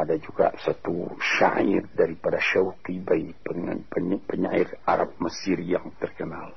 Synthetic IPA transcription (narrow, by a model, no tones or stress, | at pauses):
adad͡ʒuɡa̰ʔsat̪ṵʃa̰ʔḭrdaɾipadaʃaukibaipəpəɲairaɾap̚məsirjaŋt̪ərkənal